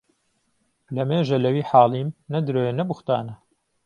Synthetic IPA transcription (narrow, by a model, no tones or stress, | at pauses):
lɐmeːʒɐlɐwiːħaːlˠiːmnɐd̪ɨɾoːjenɐbuxt̪aːnɐ